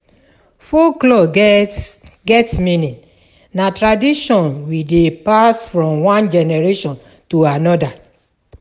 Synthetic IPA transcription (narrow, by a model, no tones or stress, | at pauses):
foklɔ | ɡɛtmĩnĩn | natɹadiʃɔ̃nwidepasfɹɔ̃mwãnd͡ʒɛnɛɹeʃɔ̃n | tuanɔda